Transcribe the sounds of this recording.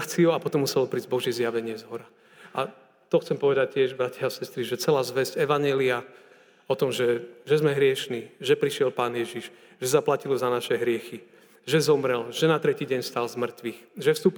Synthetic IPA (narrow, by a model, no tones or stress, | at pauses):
t͡siuapɔt̪ɔmːusɛlɔpɾiːzɟbɔʒjɛzjaʋɛɲɪɛzɦɔɾa | ʔa | t̪ɔxt͡sɛmpɔʋɛd̪ac̚cːɪɛʒbɾacaasɛst̪ɾiʒɛt͡sɛlaːzʋɛzɟɛʋaɲɛlia | ɔt̪ɔmʒɛʒɛzmɛɦɾɪɛʃniʒɛpɾiʃɪɛlpaːnjɛʒiʒ | ʒ̥ɛzaplacilɔzanaʃɛɦɾɪɛxi | ʒɛzɔmɾɛlʒ̥ɛnat̪ɾɛciːɟɛɲfst̪alzmr̩t̪ʋixʒɛfst̪uːp